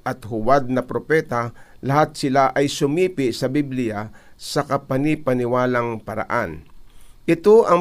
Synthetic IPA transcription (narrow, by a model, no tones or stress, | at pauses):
ʔɐt̪hʊwad̪̚nɐpɾopɛt̪alɐɦat̪̚sɪlaʔɐjsʊmiːpɪʔsɐbiblɪjasɐkɐpɐnipɐnɪwaːlaŋpɐɾa̰ʔanʔɪt̪oʔɐ